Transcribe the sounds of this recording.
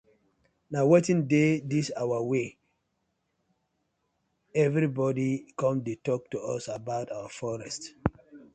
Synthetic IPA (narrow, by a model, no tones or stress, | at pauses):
nawetĩndedisawəwe | ɛvɹibɔdikɔ̃mdetɔk̚tuɔsabaʊtawəfɔɹɛst